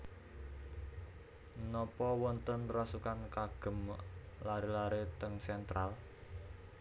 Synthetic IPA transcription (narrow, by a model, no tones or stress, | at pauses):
nɔpɔwɔnt̪ənrasukankaɡ̥ə̤m | laɾelaɾet̪əŋsɛnt̪ɾal